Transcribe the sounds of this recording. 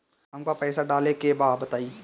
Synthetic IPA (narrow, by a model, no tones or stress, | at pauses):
ɦɐmkapɛːsaɖaːlekebaːd̪bɐt̪aːi